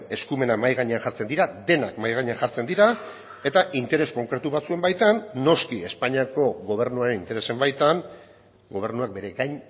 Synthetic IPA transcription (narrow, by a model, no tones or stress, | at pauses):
e̞skume̞namajɣaɲeanʝaɾt͡se̞nd̪iɾad̪e̞nakmajɣaɲeanxaɾt͡se̞nd̪iɾa | e̞t̪aʔint̪e̞ɾe̞sko̞ŋkɾe̞t̪uβat͡sue̞mbajt̪anːo̞skie̞spaɲiako̞ɣo̞β̞e̞ɾnuaɾe̞nint̪e̞ɾe̞se̞mbajt̪an | ɡo̞β̞e̞ɾnuak̚be̞ɾe̞ɣajɲ